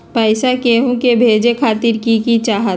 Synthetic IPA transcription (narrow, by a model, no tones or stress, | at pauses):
pɛɪsakeːɦõkebʱeːd͡ʒekʰaːt̪ɪɾkikit͡ʃaːɦət̪